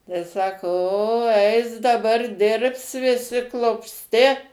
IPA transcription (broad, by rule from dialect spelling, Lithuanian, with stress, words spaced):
tɐɪ ˈsɑːkoː oː ˈɛɪs dɐˈbɐr ˈdʲɪrps ʋʲɪˈsʲɪ klˠʊpʲsʲˈtʲɪ